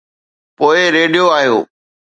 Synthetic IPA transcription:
poːɪɾeːɖijoaːɦijo̰ː

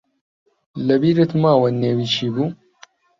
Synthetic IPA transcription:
lɐbiːɾet̪maːwɐneːwiːt͡ʃʰiːbuː

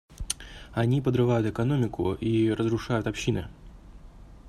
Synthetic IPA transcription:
ɐnʲipəd̪ɾɨvajʊt̪ɨkɐno̞mʲɪkʊ̰ʔiɾəzɾʊʂajʊt̪ɐpɕːinɨ̰

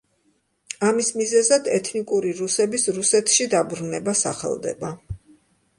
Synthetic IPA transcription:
amismizɛzad̪ɛt̪ʰnikʼuɾiɾusɛbisɾusɛt̪ʰʃid̪abɾunɛbasa̰χɛ̰lˠd̪ɛ̰ba

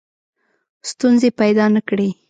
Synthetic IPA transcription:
st̪unzepajd̪ɑnəkɽe

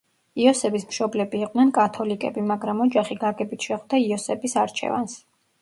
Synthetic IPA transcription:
iɔsɛbismʃɔblɛbiːqʼnɛnkʼat̪ʰɔlikʼɛbimaɡɾamɔd͡ʒaχiɡaɡɛbit̪ʰʃɛχd̪aiɔsɛbisaɾt͡ʃʰɛ̰va̰ns

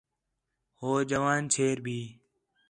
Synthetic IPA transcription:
hoːd͡ʒəʋaːnt͡ʃʰeːɾbʱiː

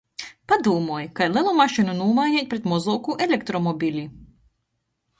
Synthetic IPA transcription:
pad̪uːmuɔjkajlˠʲilˠumaʃinunuɔmajnʲɛːt̪̚ʲpɾet̪mɔzɔːkuʔelʲek̚t̪ɾɔmɔbʲilʲi

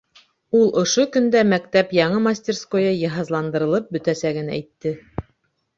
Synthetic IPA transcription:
ulˠʔŏʃokɵ̆nd̪æmæk̚t̪æpjɑɴɤmasʲtʲerskojɑjɑɦɑzlˠɑnd̪ɤ̆ɾɤ̆lˠɤp̚bɵ̆t̪æsæɡɘ̆nææjt̪ːɘ

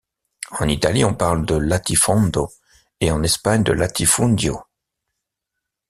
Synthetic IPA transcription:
ɑ̃nit̪aliɔ̃paʁld̪əlat̪ʰifɔ̃nd̪o | eɑ̃nɛspaɲd̪ə̰lat̪ʰifũnd̪jo

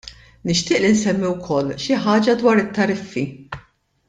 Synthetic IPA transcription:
nɪʃt̪ɪːʔlinsɛmːiwkʰɔlːʃɪħɐːd͡ʒɐd̪wɐːɾɪt̪ːɐɾɪfːi

